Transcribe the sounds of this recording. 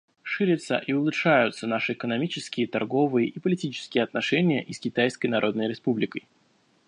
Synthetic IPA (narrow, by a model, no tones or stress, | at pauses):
ʂɨɾʲɪt̪sə̰ʔiʊlˠʊtʂajʊt̪sənaʂɨɪkənɐmʲit͡ɕɪskʲɪjət̪ɐrɡo̞vɨjəʔipəlʲɪtʲit͡ɕɪ̥skʲɪjəɐt̪nɐʂɛnʲɪjə̰ʔiskʲɪt̪ajskəjnɐɾʔo̞d̪nəjɾʲɪspublʲɪkəj